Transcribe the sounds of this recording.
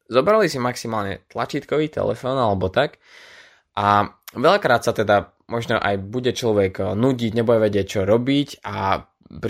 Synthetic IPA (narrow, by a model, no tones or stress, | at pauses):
zɔbɾalisimaksimaːlɲɛ̰t̪lat͡ʃit̪kɔʋiːt̪ɛ̰lɛ̰fɔːnalɛbɔt̪ak | ʔaʋɛʎakɾaːt̪sat̪ɛd̪a | mʔɔʒnɔʔa̰jbuɟɛt͡ʃlɔʋɛɡnuɟiɟɲɛbujɛʋɛɟɪɛc̚t͡ʃɔɾɔbica | p